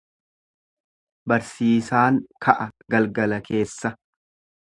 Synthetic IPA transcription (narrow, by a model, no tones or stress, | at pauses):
bɐɾsiːsaːŋkʰɐʔɐɡɐlɡɐlɐkʰe̞ːsːɐ